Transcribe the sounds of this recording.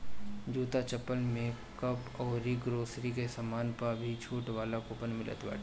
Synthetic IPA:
d͡ʒuːt̪at͡ʃəpːəlmẽ | kɐpɔːɾiɡɾoːsɾikesamaːnpabʱit͡ʃʰuːʈʋaːlakʊpənmɪlə̰t̪ba̰ːʈ

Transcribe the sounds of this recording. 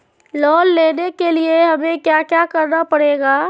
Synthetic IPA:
lɔːlːeːnekelieɦəmekjakjakəɾnapəɽeːɡaː

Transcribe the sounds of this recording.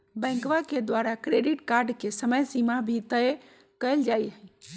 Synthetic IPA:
bə̃ŋkʋaked̪waɾakɾeɖiʈkaɾɖkesəməjsimabʱit̪əj | kəjld͡ʒajɦə

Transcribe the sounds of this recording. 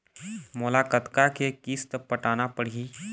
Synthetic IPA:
mʊlaːkət̪kakekiːst̪pəʈaːnapəɽ̤iː

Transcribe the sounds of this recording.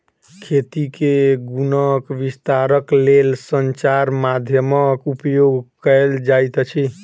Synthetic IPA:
kʰet̪ikeɡunəkʋist̪aɾəklelsənt͡ʃaɾmad̪ʱjəmʌkupjoɡkəeld͡ʒajt̪t͡ʃʰi

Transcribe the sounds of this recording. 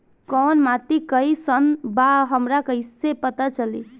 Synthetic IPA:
kɔnmat̪ikəjsənbaɦəmɾakəjsepət̪at͡ʃəli

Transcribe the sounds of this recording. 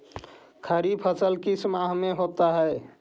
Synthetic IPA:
kʰəɾipʰəsəlkisəmaɦmeɦot̪aɦəe

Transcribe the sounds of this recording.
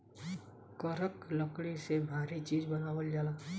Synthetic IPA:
kəɾəkləkɽisebʱaːɾit͡ʃiːd͡ʒbɐnaːwəld͡ʒaːlaː

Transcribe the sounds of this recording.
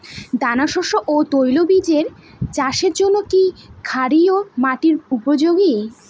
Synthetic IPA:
d̪anaʃɔʃoʔot̪ojlobid͡ʑeɾ | t͡ɕaʃeɾd͡ʑonːokikʰaɾiomaʈiɾupod͡ʑoɡi

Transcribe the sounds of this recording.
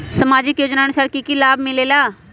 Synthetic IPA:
səmaːd͡ʒɪkjoːd͡ʒnaːənʊsaːɾkiːkiːlaːbmɪleːlaː

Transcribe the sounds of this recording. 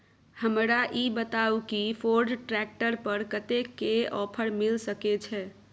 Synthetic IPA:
həmɾaʔibət̪aukipʰoɾɖʈɾɛk̚ʈəɾpəɾkət̪ekːeɔpʰəɾmilsəkɛt͡ʃʰɛ

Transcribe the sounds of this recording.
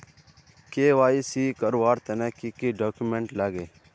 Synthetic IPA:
keːʋaːisiːkəɾʋaːɾt̪ənɛːkikiːɖoːkumeɳʈlaːɡeː

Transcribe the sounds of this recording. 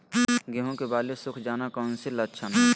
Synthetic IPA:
ɡeɦõkebaːlesʊkʰd͡ʒaːnakəːʊnsilətːʃʰən

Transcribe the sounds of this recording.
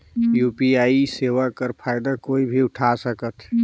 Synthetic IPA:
jupiaiseʋakəɾpʰaɪd̪akoibʱiʊʈʰasəkət̪ʰ

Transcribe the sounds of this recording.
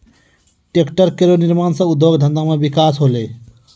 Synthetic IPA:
ʈekʈəɾkeɾoniɾmaːnsɐ̃ud̪ʱːoɡd̪ʱə̃nd̪amebikaːsɦoleː

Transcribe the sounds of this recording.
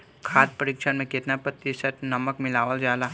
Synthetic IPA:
kʰaːt̪̚pəɾikʃənmẽket̪napət̪ːisəʈnɐməkmɪlaːʋəld͡ʒaːla

